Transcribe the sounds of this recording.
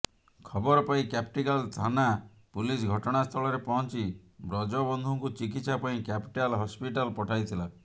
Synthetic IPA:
kʰɔbɔɾɔpaĩkapʰʈikalst̪ʰana | pulis̬ɡʱɔʈɔɽ̃ast̪ʰɔɭɔɾepɔɦɔnt͡ʃibɾɔd͡ʒɔbɔnd̪ʱuŋkut͡ʃik̬it̪sapaĩkapi̥ʈalɦɔspiʈalpɔʈʰajt̪ʰila

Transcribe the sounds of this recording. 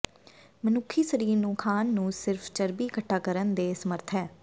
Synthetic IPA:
mənʊkʰːiːsəɾiːɾnũːkʰaːnːũːsɪɾfʰt͡ʃəɾbiːkəʈʰːaːkəɾənd̪eːsəməɾt̪ʰɦɛː

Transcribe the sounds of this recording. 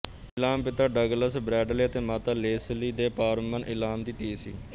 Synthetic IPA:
ɪlaːmpɪt̪aːɖəɡləsbɾɛːɖleːət̪eːmaːt̪aːleːsliːd̪eːpaːɾmənʔɪlaːmd̪iːt̪eːsḭː

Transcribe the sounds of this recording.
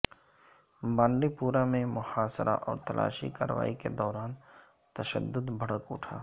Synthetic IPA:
bãːɳɖipuːɾamẽmʊhaːsɾʔa̰ʔɔːɾt̪ɐlʔa̰ːʃḭkaːɾəʋa̰ːiked̪ɔːɾaːn | t̪ɐʃə̰d̪ːʊd̪bʱəɽ̤əkʊ̰ʈʰaː

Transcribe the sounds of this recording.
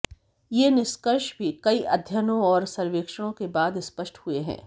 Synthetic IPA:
jenɪʃkəɾʃbʱikɐiʔɐd̪ʱjənõɔːɾsɐɾʋeːkʃəɽ̃õkebaːd̪spəʃʈhueɦɛ̰̃ː

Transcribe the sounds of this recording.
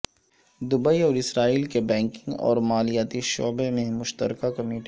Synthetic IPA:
d̪ʊbəiɔːɾɪsɾaːiːlkebɛ̃ːŋkɪ̃ŋɡɔ̰ːɾmaːlijaːt̪iʃo̰ːbemẽmʊʃt̪ə̰ɾkakɐmeːʈi

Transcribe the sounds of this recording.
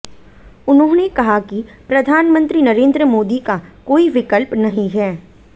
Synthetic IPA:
ʊnɦõnekɐɦakipɾɐd̪ʱaːnmə̃nt̪ɾinɐɾẽːnd̪ɾəmoːd̪ikakoːiʋɪkəlpnɐɦĩɦɛː

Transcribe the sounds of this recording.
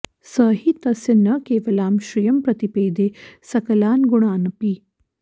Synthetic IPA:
sɐːɦit̪ɐsɐnːɐkeːʋɐlaːmʃɾijɐmpɾɐt̪ipeːd̪eːsɐkɐlaːnɡuɳ̃aːnɐpiː

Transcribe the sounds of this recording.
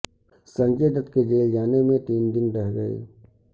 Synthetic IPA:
sə̃ŋkeːd̪ət̪ked͡ʒeːld͡ʒaːnemẽt̪iːnd̪ɪnɾɛɦɡɐḛː

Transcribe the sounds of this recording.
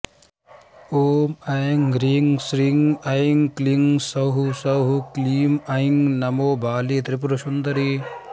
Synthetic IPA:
oːmɐŋɾiŋsɾiŋɐiŋkliŋsɐwɦusɐwɦukliːmɐiŋnɐmoːbaːlit̪ɾip̬ɾuʃund̪ɐɾi

